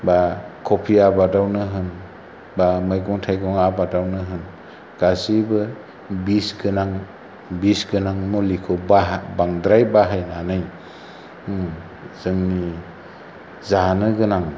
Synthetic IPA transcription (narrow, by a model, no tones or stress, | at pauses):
bakʰɔpʰiabadawnɯɦɯn | bamajɡɔŋtʰajɡɔŋabadawnɯɦɯn | ɡ̥azibɯ | bisɡɯnaŋ | bisɡɯnaŋmɔlikʰɔbaɦbaŋdɾajbaɦajnanɯj | z̥ɯŋni | zanɯɡɯnaŋ